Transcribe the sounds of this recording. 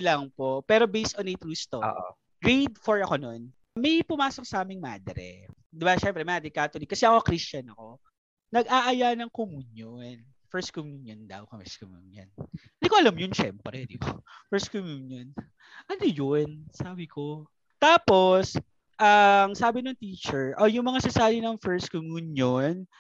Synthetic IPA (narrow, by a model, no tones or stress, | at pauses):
lɐŋpopɛːɾo̞bejst̪onejt̪ɾuːst̪o̰ʔo̰ | ɹejd̪fɔɹɐko̞non | mɐjpʊmaːsok̚sɐʔaːmɪŋma̰ːd̪ɛɾɛ̰ | d̪ɪbaʃɛmpɾɛmɐad̪ɪkːat̪ʊlikɐsɛʔɐko̞kɾist͡ʃɐnɐko̞ | nɐɡʔaːʔɐjanɐŋkomunjon | fɛɹst̪̚komjuːnjond̪ɐ̰wkɛskomjṵnjo̰nd̪ɪkoʔɐlɐmjʊnʃɛ̰mpɾɛd̪ḭkofɛɹst̪̚komjuːnjon | ʔɐnojonsaːbɪkʰo | t̪aːpo̞s | ʔɐŋsaːbɪnoŋt̪iːt͡ʃɛɹʔojʊŋmɐŋasɐsaːɾɪnɐŋfɛɹst̪̚komjuːnjon